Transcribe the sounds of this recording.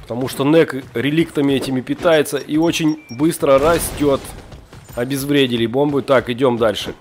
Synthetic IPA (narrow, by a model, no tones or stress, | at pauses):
pə̥t̪ɐmuʂt̪o̞nɛkɾʲɪlʲikt̪əmʲɪɛtʲɪmʲɪpʲɪt̪ajɪt̪səʔio̞t͡ɕɪnʲbɨst̪ɾəɾɐsʲtʲo̞t̪ | ɐbʲɪzvɾʲedʲɪlʲɪbo̞mbʊt̪akɪdʲo̞md̪alʲʂɨ̰